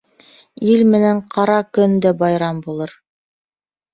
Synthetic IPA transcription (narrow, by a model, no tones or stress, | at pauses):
ilmɘ̆næɴqʰɑɾɑkɵ̆nd̪ɘbɑjɾɑmbulˠɤɾ